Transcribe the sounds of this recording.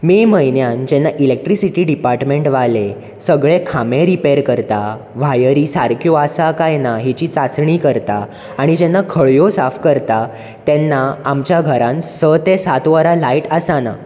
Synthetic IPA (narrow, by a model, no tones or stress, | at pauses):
meməjinjand͡ʑɛnːaʔilek̚ʈɾisiʈiːɖipaɾʈmeɳʈʋale | səɡɭekʰamẽɾipeɾkəɾt̪a | ʋ̤ajəɾisaɾkʰjoasakajnaɦit͡ɕit͡sat͡sɳiːkəɾt̪aː | ɽ̃id͡ʑɛnːakʰəɭjosafkəɾt̪a | t̪ɛnːaːmt͡ɕjaɡʱəɾãnsət̪esat̪ʋəɾalaiʈəsana̰